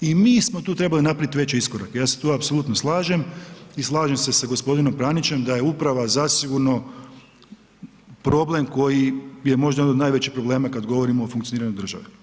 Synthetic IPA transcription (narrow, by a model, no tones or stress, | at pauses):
imiːsmo̞t̪uːt̪ɾe̞balinapɾait̪iʋe̞t͡ɕiiskoɾakjaːset̪oapso̞lˠuːt̪no̞slˠaːʒe̞mislˠaːʒe̞mse̞saɡo̞spo̞d̪ino̞mpɾanit͡ɕe̞md̪aje̞upɾaʋazasiɡuɾno̞ | pɾo̞ble̞mko̞jije̞mo̞ʒd̪ajnod̪naːjʋet͡ɕipɾoblˠe̞ːmakad̪ɡo̞ʋo̞ɾimoːfuŋk̪ioiɾaɲod̪ɾr̩ʒa̰ʋe